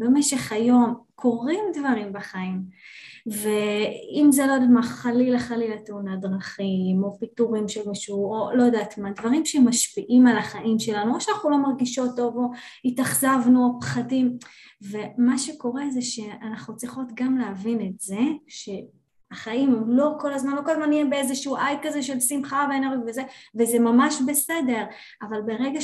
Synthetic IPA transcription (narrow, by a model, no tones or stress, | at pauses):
bemeʃe̞χajo̞mkʰo̞ʁimdvaʁimbaχaim | ve̞imzelojdatmaχalilaχalilateunadʁaχimo̞pituʁimʃelmiʃuolo̞jdaːtmadvaʁimʃemaʃpiʔimalaχaʔimʃe̞lanuoʃanaχnulo̞maʁɡiʃoto̞vo̞itaχzavnuapχadim | ve̞maʃe̞ko̞ʁe̞zeʃe̞anaχnut͡sʁiχo̞tɡamleavinetze̞ʃe̞ | aχaimlo̞ko̞lazmanloko̞lazmanijebeezeʃuuʔajkaze̞ʃe̞lsimχaveeneʁɡivezeveze̞mamaʃbe̞se̞de̞ʁ | avalbe̞ʁeɡa